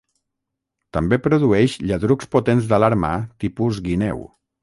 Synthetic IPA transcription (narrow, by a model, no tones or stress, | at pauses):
t̪əmbepɾuðuɛʃʎəðɾukspot̪enzðəlaɾma̰t̪ipuzɣinɛ̰w